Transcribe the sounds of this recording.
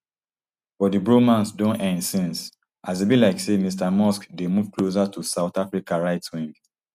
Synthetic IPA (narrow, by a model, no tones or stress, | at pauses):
fɔdibɹomãnsdõnɛ̃ndsĩns | ʔazebilaɪksemistamɔskdemuvklos̬atʰusaʊtafɹikaɹaɪtwĩŋɡ